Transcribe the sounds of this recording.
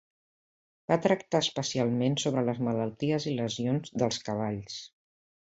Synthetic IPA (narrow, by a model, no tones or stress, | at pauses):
b̥at̪ɾəkt̪aəspəsialˠmensoβɾələzmələlˠt̪iəziləzionzðəlˠskəβ̞aʎs